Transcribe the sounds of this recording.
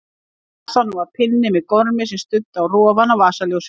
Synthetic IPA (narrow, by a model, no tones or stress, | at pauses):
sanːuvaɾpʰɪnːɪmɛðkɔɾmɪs̬ɛmst̪ʏt̪ːwrɔːavanavaːsaljows